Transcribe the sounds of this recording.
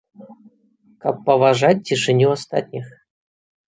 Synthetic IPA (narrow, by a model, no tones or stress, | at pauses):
kapːɐvaʐat̚ʲtʲiʂɘnʲuast̪a̰t̪ʲnʲix